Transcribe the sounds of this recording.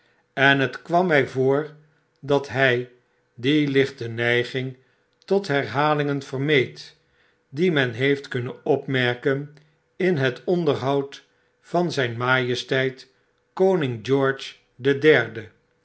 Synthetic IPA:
ɛnɦətkʋɑmːɛjvoːɹ | dɑtɦɛj | dilɪχtənɛjχɪŋ | tɔtɦɛɹɦaːlɪŋənv̥ərmejt | dimɛnɦejftkɵnənɔpmɛɹkən | ɪnɦətɔndəɹɦɑwt | fɑnzɛjnmaːjəstɛjt | kownɪŋd͡ʒɔɹt͡ʃ | dədɛɹdə

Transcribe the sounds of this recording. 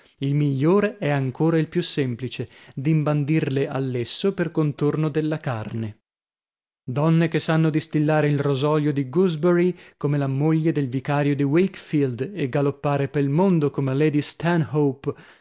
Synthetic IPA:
ilmiʎːoːɾeʔɛaŋkoːɾailpjusːɛmplit͡ʃed̪imband̪irlealːesːoperkont̪ornod̪elːakarne | d̪ɔnːekesːanːod̪ist̪ilːaːɾeilrozɔːljod̪iɡuzbeɾikomelamoʎːed̪elvikaːɾjod̪iwekfild̪eɡalopːaːɾepelmond̪okomeled̪ist̪ɛnɦowp

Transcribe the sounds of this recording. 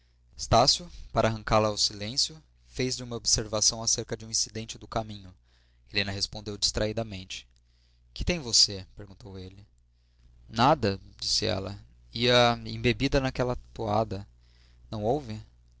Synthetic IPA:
st̪asjʊpaɾɐaɦɐ̃ŋkaɾlɐːwsilẽsjʊ | fejzd͡ʒɪũmɐobseɾvasɐ̃w̃aseɾkɐd͡ʒɪũĩsid̪ẽnt͡ʃɪd̪ʊkamĩɲʊ | elẽnɐɦespõnd̪ewd͡ʒist̪ɾʔaid̪ɐmẽnt͡ʃɪ̥ | kɪ̥t̪ẽj̃vosepeɾɡũnt̪owelɪ | nad̪ɐd͡ʒisɪɛ̰lɐ | iɐḛ̃bebid̪ɐnakɛlɐt̪oad̪ɐ | nɐ̃w̃owvɪ

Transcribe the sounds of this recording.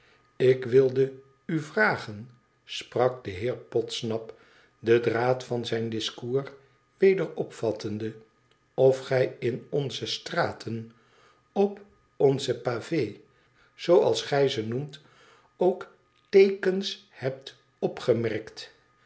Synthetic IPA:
ɪkʋɪlˠdə | yvraːχən | sprɑk̚dəɦɪːɹpɔtsnɑp | dədraːtfɑnzɛjndɪskuːɹ | ʋejdəɹɔpfɑtʰəndə | ɔfχɛjɪnɔnzəstraːtʰən | ɔp | ɔnzəpavej | z̥owɑ̰lˠsχɛjzənumt | owk | tejkənshɛp̚t | ɔpχəmɛɹkt

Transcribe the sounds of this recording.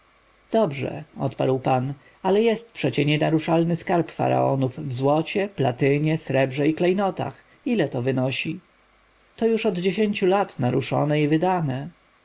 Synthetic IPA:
d̪̥ɔbʐɛ̰ɔ̰t̪pa̰ɾwpan | alɛjɛst̪̚pʂɛt͡ɕɛɲɛnaɾuʂalnɘskaɾpfa̰ɾa̰ɔ̰nufvzwɔt͡ɕɛplat̪ɘɲɛsɾɛbʐɛiklɛjnɔt̪a̰x | ilɛt̪ɔvɘnɔɕi | t̪ɔjuʂɔd̪d͡ʑeɕeɲt͡ɕulat̪naɾuʂɔ̰nɛivɘd̪anɛ

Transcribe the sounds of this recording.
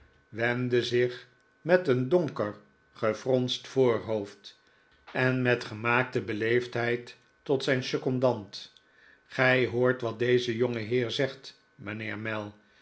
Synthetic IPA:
ʋɛndəzɪχ | mɛtəndɔŋkəɹ | χəfrɔnstfoːɹɦowft | ɛnmɛtχəmaːk̚təbəlejftɦɛjtː | ɔtsɛjnsøkɔndɑnt | χɛjɦʊːɹtʋɑt̚dejzəjoŋəɦɪːɹzɛχt | mənɪːɹmɛlˠ

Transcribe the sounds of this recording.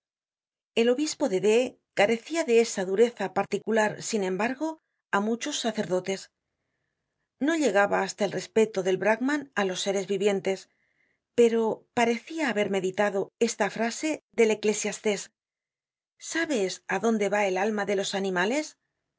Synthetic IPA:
e̞lo̞βispo̞ðe̞ðe̞ | kaɾe̞θiaðe̞esaðuɾe̞θapaɾt̪ikulaɾsinẽ̞mbaɾɣo̞ | amut͡ʃo̞sːaθe̞ɾðo̞t̪e̞s | no̞ʎe̞ɣaβaːst̪ae̞lre̞spe̞t̪o̞ðe̞lβɾaɣmãnalo̞sːe̞ɾe̞zβiβje̞nt̪e̞s | pe̞ɾo̞paɾe̞θiaːβe̞ɾme̞ðit̪aðo̞e̞st̪afɾase̞ðe̞le̞kle̞sjast̪e̞s | aβe̞saðo̞nd̪e̞βae̞lalmaðe̞lo̞sanĩmale̞s

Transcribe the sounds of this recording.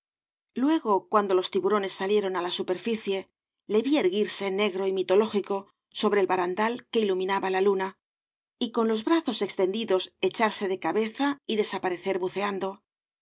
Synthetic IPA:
lwe̞ɣo̞kwand̪o̞lo̞st̪iβuɾo̞ne̞sːalje̞ɾo̞nalasupe̞ɾfiθje̞ | le̞βieɾɣiɾse̞ne̞ɣɾo̞imit̪o̞lo̞xiko̞ | so̞βɾeːlβaɾand̪alke̞ilumĩnaβalaluna | iko̞nlo̞zβɾaθo̞se̞kst̪e̞nd̪iðo̞se̞t͡ʃaɾse̞ðe̞kaβe̞θaiðe̞sapaɾe̞θe̞ɾβuθe̞and̪o̞

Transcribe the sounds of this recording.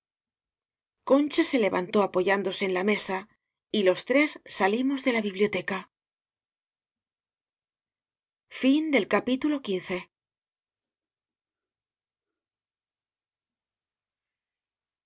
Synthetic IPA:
ko̞nt͡ʃase̞le̞βant̪o̞apo̞ʝand̪o̞se̞ːnlame̞sa | ilo̞st̪ɾe̞sːalimo̞zðe̞laβiβljo̞t̪e̞ka | find̪e̞lkapit̪ulo̞kin̟θe̞

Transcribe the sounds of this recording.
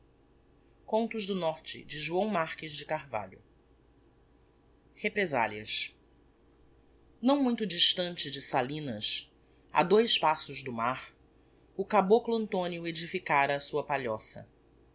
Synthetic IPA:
kõnt̪ʊʒd̪ʊnɔɾt͡ʃɪ̰d͡ʒɪʒuɐ̃w̃maɾkɪzd͡ʒɪkaɾva̰ʎʊ̰ | hepɾeza̰liɐs | nɐ̃w̃mũj̃t̪ʊd͡ʒiʃt̪ɐ̃nt͡ʃɪd͡ʒɪsalĩnɐs | a̰d̪ojspasʊʒd̪ʊmaɾ | ʊkabokluɐ̃nt̪õniʊed͡ʒifikaɾɐːsuɐpaʎɔsɐ̰

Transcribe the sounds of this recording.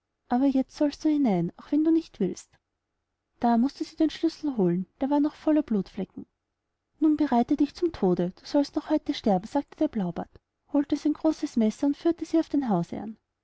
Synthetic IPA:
ʔʔaːbɐjɛt͡stsɔlst̚d̥uːhɪnaɪnaʊxv̥ɛnduːnɪçtv̥ɪlst | d̥aːmʊstəziːdeːnʃlʏsl̩ɦoːlənd̥eːɐvaːɐnɔχfɔlɐbluːtflɛkŋ̩ | nuːnbəʁaɪtədɪçt͡sʊmtʰoːdəd̥uːsɔlstnɔχhɔʏtəʃtɛɐbm̩sz̥aːk̚təd̥eːɐb̥laʊba̰t | hoːltəsiɛɪnɡʁoːsəsmɛsɐʊntfyːɐtəziːaʊfd̥eːnɦaʊsɛ̰a̰n

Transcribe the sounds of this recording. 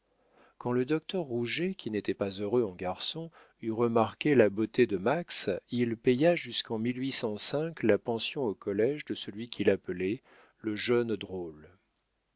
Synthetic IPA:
kɑ̃ləd̪ɔk̚t̪œʁːuʒekʲinet̪ɛpazøʁøɑ̃ɡaʁsɔ̃ | yʁəmaʁkʲelabot̪ed̪əmaksilpɛjaʒyskɑ̃milɥisɑ̃sɛ̃klapɑ̃sjɔ̃okɔlɛʒd̪əsəlɥikʰʲilapəlɛ | ləʒœnd̪ʁol

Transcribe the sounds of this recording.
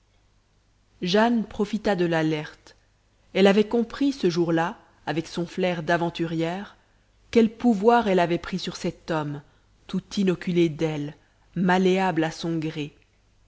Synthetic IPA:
ʒanpχɔfit̪ad̪əlalɛʁt̪ | ɛlavɛkɔ̃pχisəʒuʁla | avɛksɔ̃flɛʁd̪avɑ̃t̪yʁjɛːʁ | kʲɛlpuvwaʁɛlavɛpχisyʁsɛt̪ɔm | t̪ut̪inɔkʲyled̪ɛl | maleablasɔ̃ɡʁe

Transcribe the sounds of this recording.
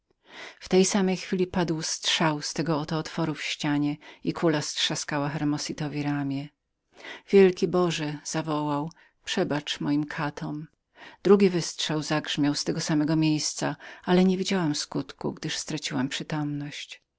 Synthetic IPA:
ft̪ɛjsamɛjxfʲilʲipad̪wstʂawst̪ɛɡɔːt̪ɔːt̪fɔɾufɕt͡ɕaɲɛikʰulastʂaskawaxɛɾmɔsit̪ɔvʲiɾamʲjɛ | vʲjɛlkʲibɔʐɛz̥avɔwaw | pʂɛbat͡ʂmɔjimkʰat̪ʰɔm | d̪̥ɾuɡʲivɘstʂawzaɡʐmʲjawst̪ɛɡɔsamɛɡɔmʲjejst̪saalɛɲevʲid͡ʑawamskut̪kṵɡd̪ɘʂst̪ɾat͡ɕiwampʂɘt̪ɔmnɔɕt͡ɕ

